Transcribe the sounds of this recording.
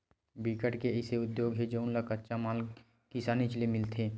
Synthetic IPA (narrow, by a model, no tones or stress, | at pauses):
bikəʈkeɪseʊd̪joːɡɦed͡ʒoʊnlakətːʃamaːl | kɪsaːnit͡ʃlemɪlt̪ʰeː